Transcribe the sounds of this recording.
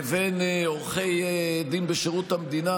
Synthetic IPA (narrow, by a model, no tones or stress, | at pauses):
venoʁχejd̪inbeʃeʁut̪amd̪ina